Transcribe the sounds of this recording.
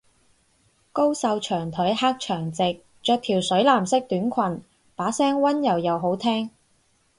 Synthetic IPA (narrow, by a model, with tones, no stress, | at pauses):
ko˥wsɐ˧wt͡ʃʰœː˨˩ŋt̪ʰɵ˨˥jhaː˥k̚t͡ʃʰœː˨˩ŋt͡sɪ˨k̚ | t͡ʃœː˧k̚t̪ʰiː˨˩wsɵ˨˥ɥlaː˨˩msɪ˥k̚t̪yː˨˥nkʷʰwɐ˨˩n | paː˨˥sɛː˥ŋwɐ˥njɐ˨˩wjɐ˨wɦo˨˥wt̪ʰɛː˥ŋ